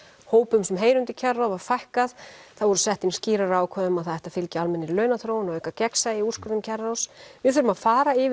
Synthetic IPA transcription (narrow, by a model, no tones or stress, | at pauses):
hoːwpʏmsɛmɦeːjɾʏnt̪ɪcʰɛrːawvaɾ̥fajhkaðθaðvɔɾʏsɛht̪ɪnsciːɾaɾaːwkʰœðʏmaðθaðɛht̪afɪlcɪalmɛnːɪɾlœːɥnaθɾoːwnaœkacɛksajɪu̥skʏɾʏmcʰɛrːawsvɪð̥θʏɾʏmaðfaːɾaɪ